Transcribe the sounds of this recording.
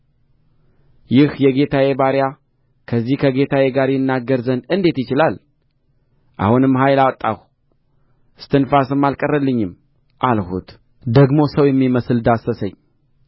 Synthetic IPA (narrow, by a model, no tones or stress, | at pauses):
jɪhjɛɡe̞t̪ʰawebaɾja | kʰəzːihkʰəɡe̞t̪ʰaweɡaɾjɪnːaɡːəɾzənd̪ɨnd̪e̞t̪jɪt͡ʃɪlal | ʔa̰hunɨmːɦajlawɔt̪ʼːah | ʔɨst̪ʰɨnfasɨmːalkʼərːəlːɨɲːɪm | ʔalhṵt̪ | d̪əɡmo̞səwjɛmːiməsɨld̪asːəsəɲː